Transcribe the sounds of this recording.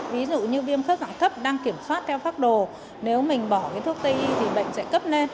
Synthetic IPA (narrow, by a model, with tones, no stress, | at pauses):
vi˨˦zṵ˧˨ɲɨ˧ɓi˧əmxə˦˥p̚za̰˧˨ŋt̪ʰə˦˥p̚ɗaː˧ŋki˧˩əmswaː˦˥t̚t̪ʰɛ˧wfaː˦˥t̚ɗo˨˩ | ne˨˦wmï˨˩ŋ̟ɓɔ˧˩kaː˨˦jt̪ʰu˦˥ək̚t̪ə˧jʔi˧t̪ʰi˨˩ɓə̰˧˨jŋ̟sɛ̰˧˥kə˦˥p̚ne˧n